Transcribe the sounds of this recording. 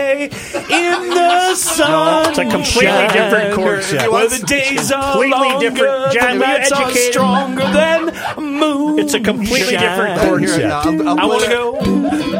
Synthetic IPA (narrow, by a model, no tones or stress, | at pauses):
ɪ̃nðəsʌnsɨkʰə̃mpʰl̥itˡlidɪfɹɨ̃nkʰɔɹwə˞ðɨdeɪzʌlilɔidɪɡə˞d͡ʒæ̃ɛd͡ʒɨkʰeɪtɹ̥ɔ̃ŋɡə˞ðɨ̃n | muɨtsɨkə̃mpʰl̥itˡlidɪfɹɨ̃nkʰɔɹ | aɪwɑ̃nɨɡoʊ